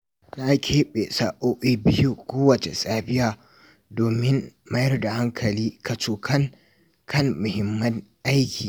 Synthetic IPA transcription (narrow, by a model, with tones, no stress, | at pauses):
na˦kʲʰeː˦ɓe˨saː˨˦ʔoː˦ʔe˦bɪ˦ju˦kʷoː˦wɐ˨t͡ʃḛ˨sʼaː˦bɪ˦jaː˨ | doː˨mɪ˦mmɐ˦jɐ˦rda˨ha˦ŋkʰɐ˨liː˦ka˨t͡ʃoː˨kʰɐ˦ŋ | kʰɐ˦mːʊ˨hɪ˦mːɐ˦nʔa˦jkʲʰiː˨